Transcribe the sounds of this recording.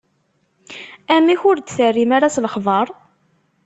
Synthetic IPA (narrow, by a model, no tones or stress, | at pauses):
æmiçʊɾd̪θərːimaɾasləχðˤɑɾˤ